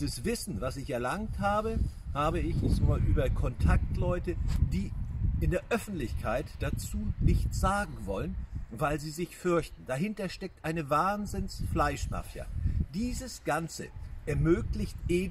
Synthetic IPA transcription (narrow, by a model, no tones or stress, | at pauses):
zəsv̥ɪsn̩vasɪçɛɐlaŋthaːbə | haːbəɪçɛsmaːlʔyːbɐkʰɔntʰak̚tlɔʏtəd̥iːʔɪndeːɐʔœfn̩tlɪçkʰaɪtd̥at͡suːnɪçt͡st͡sz̥aːɡŋ̩vɔlənvaɪlziːzɪçfʏɐçtn̩d̥aɦɪntɐʃtɛk̚tʔaɪnəvaːnzɪnsflaɪʃma̰fja̰d̥iːzəsɡ̥ant͡səʔɛɐmøːklɪçtʔeː